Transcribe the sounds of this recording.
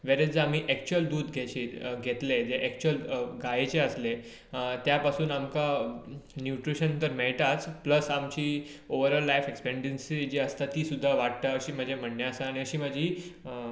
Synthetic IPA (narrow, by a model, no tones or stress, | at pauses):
ʋeɾed͡zamiːʔɛk̚t͡ɕuəld̪uːd̪ɡʱet͡ɕeːɡʱet̪led͡zeʔɛk̚t͡ɕuəlɡajet͡ɕeəsle | t̪japasuːnamka | njuʈɾiɕənt̪əɾmɛɭʈ̪at͡spləsamt͡ɕiːoʋəɾəlːajfekspeɳɖənsid͡ʑeəst̪at̪ːiːsud̪ʱːaʋaʈ̚t̪aəɕiːm̤əd͡ʑʱem̤əɽnjaəsaːɽ̃iəɕiːm̤əd͡ʑʱiː